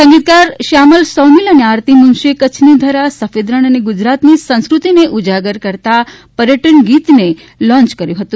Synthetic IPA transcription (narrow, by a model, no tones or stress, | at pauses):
sə̃ŋɡit̪̚kaɾʃaməlsɔniləneaɾt̪imunʃekət͡ʃʰnid̪ʱəɾasəfed̪ɾəɽ̃əneɡud͡ʒɾat̪nisə̃skɾut̪ineʔud͡ʒaɡəɾkəɾt̪a | pəɾjəʈəɳɡit̪ne | lɔ̃nt͡ʃkəɾjũɦət̪ũ